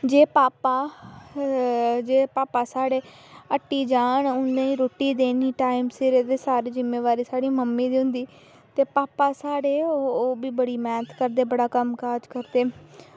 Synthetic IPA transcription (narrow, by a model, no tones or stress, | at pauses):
d͡ʒeːpaːpaː | d͡ʒeːpaːpaːsaːɽeː | əʈːiːd͡ʒaːɳʊnẽːiːɾoːʈiːd̪eːniːʈaːimseɾeːd̪eːsaːɾeːzɪmːeːʋaːɾiːsaːɽiːməmːiːd̪iːɦʊ̃nd̪iː | t̪eːpaːpaːsaːɽeːooːbiːbəɽiːmɛːnət̪ʰkəɾd̪eːbəɽaːkəmkaːɾd͡ʒkəɾd̪eː